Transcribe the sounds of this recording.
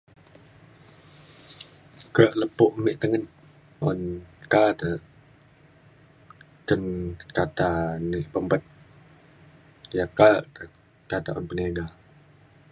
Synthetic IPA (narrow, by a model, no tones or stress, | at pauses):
kəʔləpʊʔmɪʔt̪əŋən | ɔ̰nkat̪ə | t̪ənkat̪anɪʔpəmpət̪̚ | jakat̪ə | kat̪aʔɔ̰npənaɡa